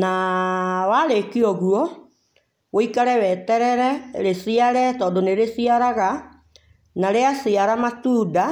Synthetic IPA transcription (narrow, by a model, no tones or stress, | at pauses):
na | waɾekiɔɣuɔ | woikaɾɛwɛtɛɾɛɾɛɾesiaɾɛtɔːdoneɾesiaɾaɣa | naɾeasiaɾamatuːda